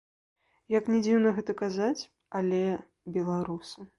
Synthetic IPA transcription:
jɐknʲɛd͡zʲiwnɐɣɛt̪ɐkazat͡sʲ | alʲɛ | bʲɛlˠaɾusɨ

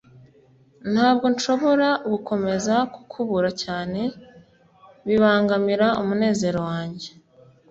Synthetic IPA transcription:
n̥haːbɡo̞nʃo̞βo̞ɾaɡukʰo̞me̞zaku̥kʰuβuɾacaːne̞ | βiβaːŋɡamiɾaumune̞ːze̞ɾo̞waːɲɟe

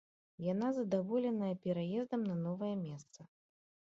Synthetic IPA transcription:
janazɐd̪avɔlʲɛnɐjɐpʲɛɾajɛzd̪ɐmnɐnɔvɐjɐmʲɛst̪sɐ

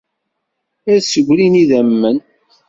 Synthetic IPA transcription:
æɾsəɡʷliniðæmːən

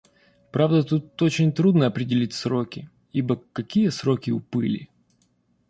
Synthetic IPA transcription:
pɾavd̪ət̪ut̪ot͡ɕɪnʲt̪ɾud̪nəɐpɾʲɪdʲɪlʲitʲsɾo̞kʲɪ | ibəkɐkʲijəsɾo̞kʲɪʊpɨlʲɪ̰

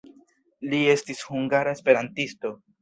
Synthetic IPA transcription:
lie̞stishuŋɡaɾaespe̞ɾantisto̞

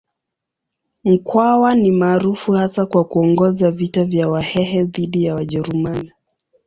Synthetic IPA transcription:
m̩kwawanimaːɾufuhasakwakuɔŋɡɔzavitavjawahɛhɛðiɗijawaʄɛɾumani

